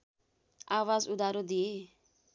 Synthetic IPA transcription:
awazud̪aɾod̪ie

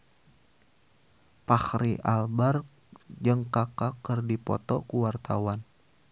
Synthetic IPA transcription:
pahɾiʔalbar | d͡ʒɨŋkakakərdipɔ̰t̪ɔ̰kuwart̪awan

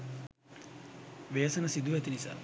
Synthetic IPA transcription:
ʋeːsənəsid̪uʋɛt̪inisa̰ː

